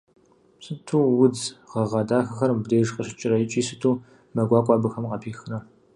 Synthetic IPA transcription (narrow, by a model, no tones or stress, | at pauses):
sɨtʰuːwʊd͡zʁɐʁɑdaːxɐxɐɾmbdeːʒqʼəɕɪt͡ʃʼɪɾɐjɪt͡ʃʼiːsɨtʰuː | mɐɡʷɑːkʷʼɑːbɨxɐmqɐpʰiːxɨnɐ